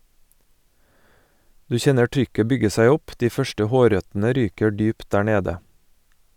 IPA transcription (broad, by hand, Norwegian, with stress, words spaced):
ˈdʉː ˈçɛnə ˈtɾʏkə ˈbʏɡə ˈsæɪ ˈɔp ˈdiː ˈfœʃʈə ˈhoːˌɾœtn̩ə ˈɾyːkə ˈdyːpt ˈɖæː ˈɳeːdə